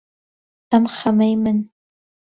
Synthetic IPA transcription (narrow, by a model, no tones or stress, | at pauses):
amχamajman